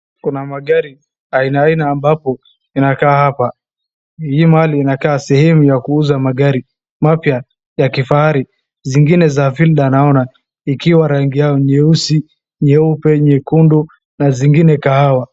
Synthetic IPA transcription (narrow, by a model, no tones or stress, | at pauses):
kunamaɠaɾi | ainaːinaːmbapɔ | inakaːhapa | himahaliːnakaːsɛhɛmujakuuzamaɠaɾi | mapja | jakifahaɾi | ziŋɡinɛzavilɗanaɔna | ikiwaɾaŋɡijaɔɲɛusi | ɲɛupɛɲɛkundu | naziŋɡinɛkahawa